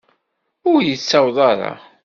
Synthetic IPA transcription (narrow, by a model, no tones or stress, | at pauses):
ʊɾjət͡sːɑwðˤɑɾˤɑ̰